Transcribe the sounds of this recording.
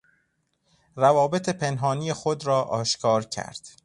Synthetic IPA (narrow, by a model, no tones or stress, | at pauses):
ɾævɒːbe̞t̪ʰe̞pʰenɦɒːniːjexod̪ɾɒːʔɒːʃkʰɒːɾcʰæ̰ɾd̪̥